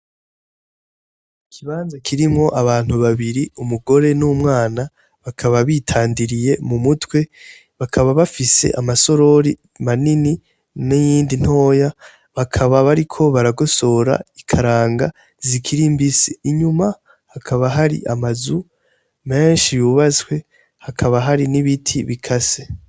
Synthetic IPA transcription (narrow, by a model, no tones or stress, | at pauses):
ikʰiβaːnzakʰiɾimŋo̞ʔaβaːn̥huβaβiɾiumuɡo̞ɾe̞nuːmŋaːna | βakʰaβaβiːtʰaːndiɾije̞mumutwe̞ | βakʰaβaβafise̞̰ʔamaso̞ɾo̞ɾi | manini | nijiːndin̥ho̞ːja | βakʰaβaβaɾikʰo̞βaɾaɡo̞so̞ɾa̰ikʰaɾaːŋɡa̰ | zikʰiɾimbisiːɲuma | hakʰaβaɦaɾḭʔamazu | me̞ːnʃijuβaswe̞ | hakʰaβaɦaɾiniβitʰiβikʰase